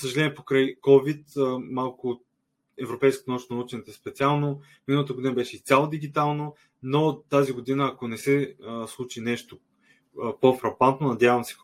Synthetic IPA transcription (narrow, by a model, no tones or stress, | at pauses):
səʒɐlɛniɛpokɾajkɔvit̪əmalˠkʊ | ɛvɾopɛjskot̪nut͡ʃnonut͡ʃɛnɛt̪ɛspɛt̪sʲialˠno | minəlˠət̪əɡod̪inəbɛʃɛist̪sʲjalˠod̪iɡit̪alˠno | not̪aziɡod̪inəːkonɛsɛslˠut͡ʃinɛʃt̪o | pofɾɐpant̪nonɐd̪javəmsɛ̥